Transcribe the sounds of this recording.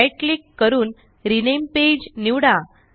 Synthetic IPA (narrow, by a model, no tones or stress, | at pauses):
jklikːəɾuːn | ɾinemped͡ʑniʋɽa